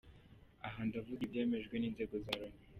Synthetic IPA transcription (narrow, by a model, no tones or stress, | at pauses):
aɦandavuɡibje̞ːme̞ʒɡwe̞niːnze̞ːɡo̞zaːɾoni